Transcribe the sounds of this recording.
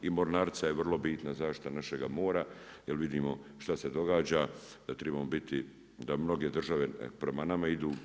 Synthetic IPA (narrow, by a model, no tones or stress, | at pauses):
imo̞ɾnaːɾt̪sajeʋr̩lˠo̞biːt̪nazaːʃt̪i̥t̪anaʃe̞ɡamo̞ːɾajelʋid̪iːmo̞ʃt̪ase̞d̪o̞ɡaːd͡ʑa | d̪̥at̪ɾebamobit̪i | d̪amno̞ɡe̞d̪r̩ʒaʋe̞pɾe̞manamaid̪uː